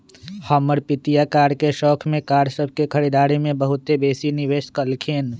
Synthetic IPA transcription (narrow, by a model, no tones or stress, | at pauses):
hɔməɾpɪt̪ijakaːɾkeʃɔːkʰmẽkaːɾsəb̚ʱkekʰɐɾiːd̪aːɾimẽbəɦʊt̪ebeːsinɪʋeːʃkəlkʰeːn